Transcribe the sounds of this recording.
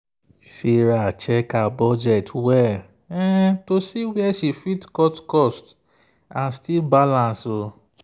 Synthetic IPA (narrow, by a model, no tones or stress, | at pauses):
siɾat͡ʃɛkabɔd͡ʒɛtwɛ | ɛtosiwiɛʃifitkɔtkɔst | ãnstibalãnso